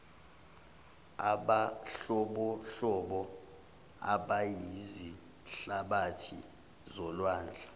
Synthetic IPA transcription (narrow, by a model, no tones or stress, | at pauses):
aɓaɬɔɓɔɬɔɓɔ | a̰ɓajizi | ɬaɓatʰḭ | zɔlwaːnd͡ɮʱa